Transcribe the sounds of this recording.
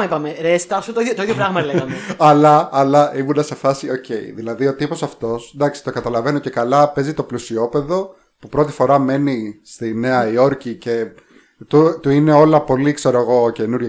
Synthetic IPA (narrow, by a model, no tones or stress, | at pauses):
ɐipɐmeɾest̪ɐsot̪oit̪oiðjopɾɐɣmɐleɣɐmeɐlɐːlɐʔibund̪ɐse̞fɐsio̞ce̞ḭðilɐðio̞t̪ipo̞sɐft̪o̞snd̪ɐksi̥t̪o̞ɡɐt̪ɐlɐve̞noce̞kɐlɐpe̞zit̪o̞plusio̞pe̞ðo̞ | pupɾo̞t̪i̥fo̞ɾɐme̞nist̪ine̞ɐio̞ɾcice̞ | t̪ut̪uine̞o̞lɐpo̞likse̞ɾoeɣo̞cenuɾʝɐ